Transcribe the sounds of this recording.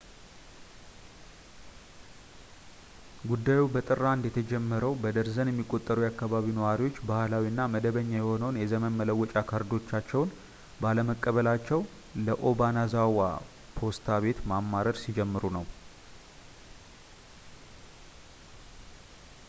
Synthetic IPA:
ɡud̪ːajubət̪ʼɨrːand̪jɛt̪ʰəd͡ʒɛmːəɾəwbəd̪əɾzənjɛmːikʼo̞t̪ʼːəɾujakːaβaβinəwaɾiwo̞t͡ʃːbahlawinːaməd̪əβəɲːajɛho̞nəwnjɛzəmənmələwːɔt͡ʃʼakʰəɾd̪o̞t͡ʃːat͡ʃːɛwn | baləməkʼːəβəlat͡ʃːɛw | ləʔo̞banazawa | pʰo̞st̪ʰaβe̞t̪mamːaɾəd̪sid͡ʒɛmːɨɾunəw

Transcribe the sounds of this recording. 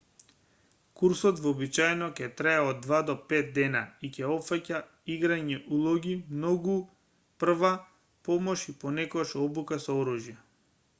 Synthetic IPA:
kuɾsɔt̪vɔːbit͡ʃajnɔcɛt̪ɾaɛɔd̪ːvad̪ɔpɛt̪̚d̪ɛnaicɛɔpfaca | iɡɾaɲɛʔulˠɔɡimnɔɡu | pr̩va | pɔmɔʃipɔnɛkɔaʃɔbukasɔɔɾuʒjɛ

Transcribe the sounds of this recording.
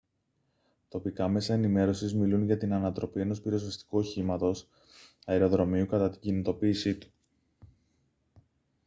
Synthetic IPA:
t̪o̞pikɐme̞sɐe̞nime̞ɾo̞sizmilunʝɐt̪inɐnɐt̪ɾo̞pie̞no̞spiɾo̞zvɐst̪i̥kuo̞çimɐt̪o̞s | ɐeɾo̞ðɾo̞miukɐt̪ɐt̪i̥ɟinit̪o̞piːsit̪u̥

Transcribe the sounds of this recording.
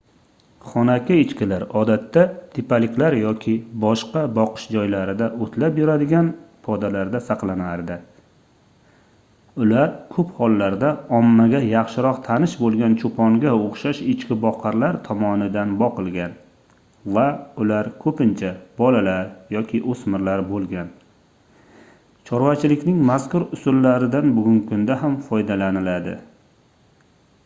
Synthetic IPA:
χɒnakʲɪɪt͡ʃkʲɪlaɾɒd̪at̪ːat̪ʰɪpalɪkʲʰlaɾjɒkʲʰɪbɒʃqɑbɒqʰɨ̥ʃd͡ʒɒjlaɾɪd̪aʔot̪ʰlapjʊɾad̪ɪɡʲanpʰɒd̪alaɾd̪asɑqlˠanaɾd̪ɪ | ʊlaɾkʰɵphɒlˠːaɾd̪aɒmːaɡʲajɑχʃɪɾɒqt̪ʰanɪʃbolˠɡʲant͡ʃʰopʰɒŋɡʲaoχʃaʃɪt͡ʃkʲɪbɒqʰɑɾlaɾt̪ʰɒmɒnɪd̪anbɒqɨlˠɡʲan | vaʊlaɾkʰɵpɪnt͡ʃʰab̥ɒlalaɾjɒkʲʰɪʔosmɪɾlaɾbolˠɡʲan | t͡ʃʰɒɾvat͡ʃʰɪlɪkʲnɪŋmaskʊɾʊsʊlːaɾɪd̪anbʊɡʲʊŋkʰʊnd̪aɦamfɒjd̪alanɪlad̪ɪ̰

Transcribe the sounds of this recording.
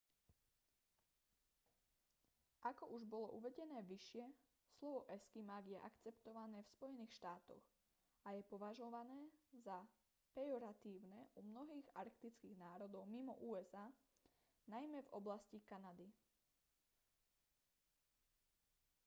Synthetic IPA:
ʔakɔʔuʒbɔlɔʔuʋɛɟɛnɛːʋiʃɪɛ | slɔʋɔʔɛskimaɡjɛʔa̰kt͡sɛpt̪ɔʋanɛːfspɔjɛniːxʃt̪aːt̪ɔ̰ɣ | ajɛpɔʋaʒɔʋanɛːza | pɛɔɾat̪iːʊnɛʔumnɔɦiːɣa̰ɾkt̪it͡skiːɣnaːɾɔd̪ɔʊmimɔ̰ʔuːɛzaː | najmɛvɔ̰blascikanad̪i

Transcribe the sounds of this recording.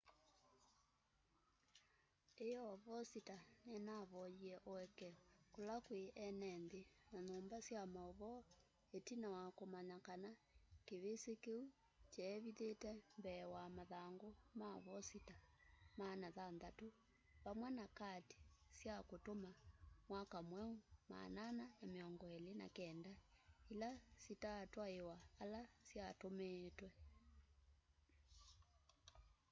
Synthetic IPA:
ejɔβɔsitanɛnaβɔiɛʔoɛkɛkolakweʔɛnɛnðenaɲoːmbasjamaɔβɔ | etinawakomaɲakanakeβesekeu | t͡ʃɛβiðetɛmbɛwamaðaːŋɡomaβɔsitamanaðanðato | βamwɛnakati̥sjakotomamwakamwɛoma̰nananameɔŋɡɔɛlena̰kɛndailasitaːtwaewaːlasjatomeːtwɛ

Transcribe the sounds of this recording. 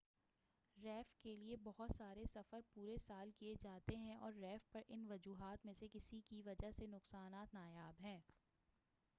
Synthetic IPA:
ɾɛːfkeliebɔɦʊt̪saːɾesɐfəɾpuːɾesaːlkied͡ʒaːt̪eɦɛ̃ʔɔːɾːɛːfpɐɾʔɪnʋɐd͡ʒuːɦaːt̪mẽsekɪsikiʋɐd͡ʒaɦsenʊqsaːnaːt̪naːjaːbɦɛ̃ː

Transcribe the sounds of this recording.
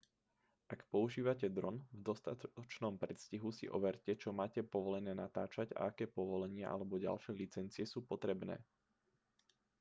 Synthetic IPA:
ʔakpɔuʒiːʋacɛd̪ɾɔnvd̪ɔst̪aɔt͡ʃnɔmpɾɛt̪sciɦusḭʔɔ̰ʋɛɾcɛt͡ʃɔmaːcɛpɔʋɔlɛnɛːnat̪aːt͡ʃaɟa̰akɛːpɔʋɔlɛɲɪɛʔa̰lɛbɔɟa̰lʃɛːlit͡sɛnt͡siɛsuːpɔt̪ɾɛbnɛ̰ː

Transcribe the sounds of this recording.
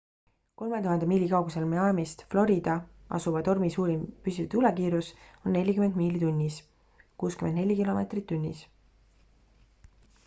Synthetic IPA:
ko̞lme̞t̪uɦɑnd̪emiːlʲikɑwɡuse̞lmeɑmist̪flo̞ɾid̪̥ɑ | ɑ̰suvɑt̪o̞rmisuːɾimpysit̪ulekiːɾuso̞nːe̞lʲːikymend̪miːlit̪unʲːis | kuːskymend̪ne̞lʲːikilo̞me̞t̪rit̪ːunʲːḭs

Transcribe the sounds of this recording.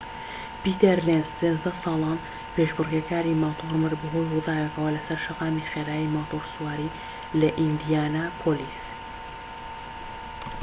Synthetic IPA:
pit̪eɾlenst͡sezd̪ɐsɑːlˠɑːn | peʒbɨrɡɐkʰaːɾimat̪ʰoɾmɨɾbɨɦojrud̪ɑːjɛkɐwɐlɐsɐɾʃɐqɑːmiχeːɾaːjimat̪oɾsuwaːɾi | lɐʔind̪ijaːnapʰoliːs

